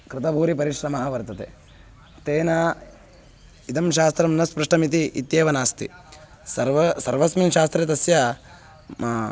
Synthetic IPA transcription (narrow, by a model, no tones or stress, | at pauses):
kɾɪt̪ɐbʱuːɾipɐɾiʃɾɐmɐɦɐʋɐɾt̪ɐt̪ḛ | t̪eːnɐ | id̪ɐmʃaːst̪ɾɐmnɐspɾɐʂʈɐmit̪̬iʔːt̪jeːʋɐnaːst̪ḭ | sɐɾʋsɐɾʋɐsminʃaːst̪ɾet̪̬ɐsjɐ